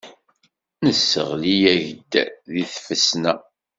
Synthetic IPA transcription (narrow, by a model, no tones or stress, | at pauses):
nəsːə̰ʁlijæʝəd̪ːæðiθfəsnæ